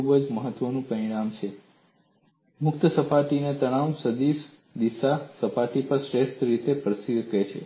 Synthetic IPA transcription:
ubəd͡ʒməɦət̪ʋənũpəɾiɳ̃amt͡ʃʰe | mʊkt̪əsəpaʈinet̪əɽ̃ausəd̪is | d̪isasəpaʈipəɾsɾeʃʈ̪ɾit̪epɾəsiket͡ʃʰḛ

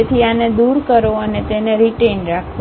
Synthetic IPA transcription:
et̪ʰianed̪uɾkəɾoənet̪eneɾiʈenɾakʰ

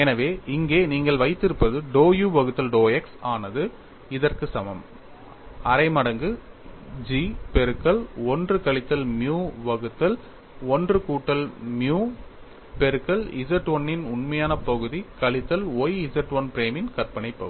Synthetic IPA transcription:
ɛnɐʋeːʔɪŋɡeːniːŋɡɐɭʋɐɪt̪ːɪɾɯpːɐðɯɖoːjuːʋɐɣɯt̪ːɐlɖoːɛksaːnɐðɯ | ɪðɐrkɯsɐmɐm | ɐɾɐɪmɐɽɐŋɡɯ | d͡ʒipɛɾɯkːɐɭɔndrɯkɐɭɪt̪ːɐlmjuːʋɐɣɯt̪ːɐl | ɔndrɯkuːʈːɐlmjuː | pɛɾɯkːɐlɪsɐɾʈʋɐnːɪnʊɳmɐjaːnɐpɐɣɯðikɐɭɪt̪ːɐloːjɪsɐɾʈʋɐnpɪɾeːmɪnkɐɾpɐnɐɪpːɐ̰ɣɯ

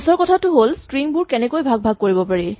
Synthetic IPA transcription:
sɔɹkɔtʰatʊɦolstɹiŋbuɹkɛnɛkojbʱaɡ̚bʱaɡ̚koɹibɔpaɹi

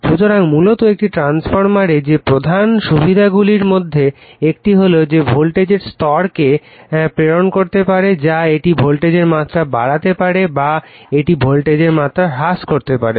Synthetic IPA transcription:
ʃut̪oɾaŋmulot̪oek̚ʈiʈɾansfoɾmaɾed͡ʑepɾod̪ʱanʃubʱid̪ʱaɡuliɾmod̪ʱːe | ek̚ʈiɦolod͡ʑebʱolʈed͡ʑeɾst̪ɔɾke | pɾeɾonkoɾt̪epaɾed͡ʑaeʈibʱolʈed͡ʑeɾmat̪ːɾabaɽat̪epaɽebaeʈibʱolʈed͡ʑeɾmat̪ːɾaɦaskoɾt̪epaɾe

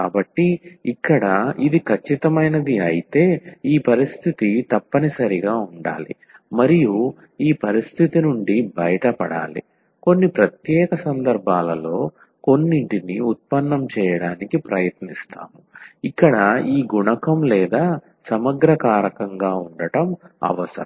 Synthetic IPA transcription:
kaːbɐʈːiːkːɐɽɐid̪ikʰɐt͡ʃːit̪ɐmɐjnɐd̪iɐjit̪e̞ːiːpɐɾist̪ʰit̪it̪ɐpːɐnisɐɾiɡaːuɳɖa̰ːlḭ | mɐɾiju | iːpɐɾist̪ʰit̪inuɳɖibɐjɐʈɐpɐɽa̰ːlḭ | ko̞nːipɾɐt̪jɛːkɐsɐnd̪ɐɾbʱaːlɐlo̞ː | ko̞nːiɳʈiniut̪̚pɐnːɐmt͡ʃɛːjɐɽaːnikipɾɐjɐt̪nist̪a̰ːmuikːɐɽɐiːɡuɳɐkɐmlɛːd̪aː | sɐmɐɡɾɐkaːɾɐkɐŋɡaːuɳɖɐʈɐmɐ̰ʋɐsɐ̰ɾɐ

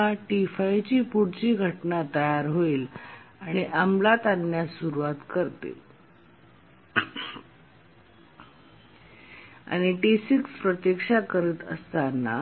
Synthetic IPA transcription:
aʈifaijt͡ɕiːpuɽt͡ɕiːɡʱəʈnat̪əjaɾɦoiːlaɽ̃iʔamlat̪anːjasuɾuʋat̪kəɾt̪ḛ | a̰ɽ̃iʈisikspɾət̪jekʂakəɾiːt̪ə̰st̪anːa̰

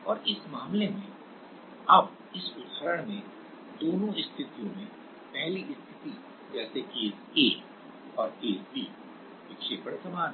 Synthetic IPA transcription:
ɔːɾɪsmaːmlemẽ | ɐb | ɪsʊd̪həɾəɽ̃mẽ | d̪oːnõɪst̪ʰɪt̪ijõmẽ | pɛɦliʔɪst̪ʰɪt̪i | d͡ʒɛːsekeː | eː | ɔːɾeːsbiː | ʋɪkʃeːpəɽsɐmaːn

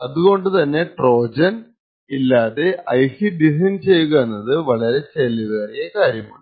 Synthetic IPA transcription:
ɐðuɣo̞ɳɖɨt̪ɐnːe̞ʈro̞ːd͡ʑɐn | ilːaːðe̞ɐjkiɖisɐjnt͡ɕe̞jːuɣɐnːɐðɨʋɐɭɐɾe̞t͡ɕelːiðɐekaːɾjɐma̰ːɭ

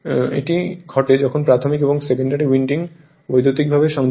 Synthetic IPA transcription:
ḛʈiɡʱɔʈed͡ʑɔkʰonpɾat̪ʰomikeboŋsekeɳɖaɾiwiɳʈiŋ | bojd̪ot̪ik̚bʱabeʃɔŋ

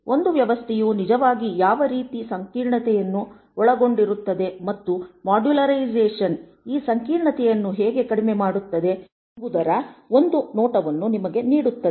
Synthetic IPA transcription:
o̞nd̪uʋjɐʋɐst̪ʰɛjunid͡ʒɐʋaːɡijaːʋɐɾiːt̪isɐŋkiːɾɳɐt̪ɛjɐnːu | ɔɭɐɡo̞ɳɖiɾut̪ːɐd̪e̞mɐt̪ːumaːɖulɐɾɐid͡ʒeːʂɐn | iːsɐŋkiːɾɳɐt̪ɛjɐnːuɦɛːɡe̞kɐɽimemaːɽut̪ːɐd̪e̞ | ɐɡud̪ɐɾɐo̞nd̪unɔːʈɐʋɐnːunimɐɡe̞niːɽut̪ːɐe

